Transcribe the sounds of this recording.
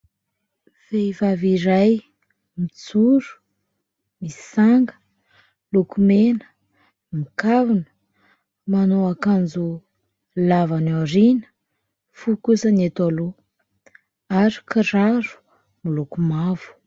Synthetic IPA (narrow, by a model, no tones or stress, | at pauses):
v̥evaviɾaj | mit͡suɾu̥ | mi̥saŋɡə̥ | lukumenə̥ | mikavunə̥ | manoakand͡zu | lavanaɾinə̥ | fukusənet̪alo | aɾi̥kiɾaɾu̥ | milukumavu̥